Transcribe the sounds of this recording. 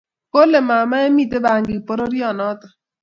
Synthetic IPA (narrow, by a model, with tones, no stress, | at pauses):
ko˦le˨ma˨ma˦e˦mi˦˨te˦ba˨ŋɡi˨po˦ɾo˦ɾi˦ɔ˨nɔ˦tɔ˨